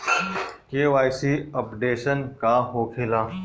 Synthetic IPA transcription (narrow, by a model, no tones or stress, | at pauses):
keːʋaːjsiəpɖeːʃənkaɦoːkʰɪlaː